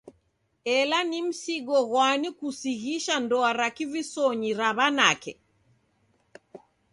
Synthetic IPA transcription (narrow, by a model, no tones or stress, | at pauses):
ɛlanim̩siɡɔɣwanikusiɣiʃandɔaɾakivisɔɲiɾaβanakɛ